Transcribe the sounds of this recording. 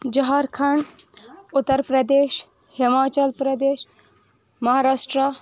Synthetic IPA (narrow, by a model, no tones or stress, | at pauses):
d͡ʒɐɦaːɾkʰaɳ | ʊt̪ːəɾpɾɐd̪eːʃ | himaːt͡ʃɐlpɾɐd̪eːʃ | mɐɦaːɾaːʂʈɾa